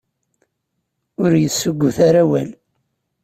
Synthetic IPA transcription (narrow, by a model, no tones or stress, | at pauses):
ʊɾjəsːʊɡʷːʊθaɾæwæl